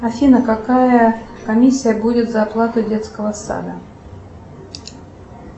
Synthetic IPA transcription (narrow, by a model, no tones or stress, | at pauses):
ɐfʲinəkakajəkɐmʲisʲːɪjəbudʲɪt̪zɐplˠat̪ɨdʲet̪skəvəsa̰d̪ə